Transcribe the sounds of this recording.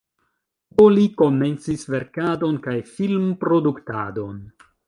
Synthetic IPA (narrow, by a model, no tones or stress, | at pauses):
oliko̞me̞nt͡sisve̞ɾkado̞nkajfilmpɾo̞dukta̰do̞n